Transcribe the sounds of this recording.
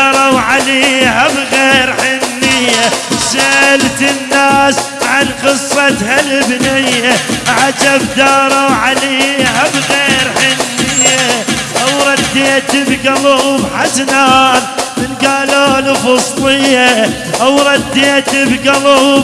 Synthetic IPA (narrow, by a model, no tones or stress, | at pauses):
ɾˤɑwʕaliːhabɣeːɾħɪnːɪjːaʃalt̪ɪnːaːs | ʕanqɨsˤːɑt̪halɪbnɪjːaʕad͡ʒabd̪ɑːɾˤɑwʕaliːhabɣeːɾħɪnːɪjːaʔawɾˤɑd̪ːiad̪ɪbɡɑluːbħasnaːnmɪnɡaːloːlufɑsˤt̪ˤɪjːa | ʔawɾˤɑd̪ːiad̪ɪbɡɑlu